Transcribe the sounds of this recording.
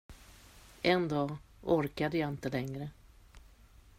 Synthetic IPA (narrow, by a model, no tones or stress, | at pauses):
ʔɛnd̪ɑːɔɾkad̪əjaɪnt̪əlɛŋɾə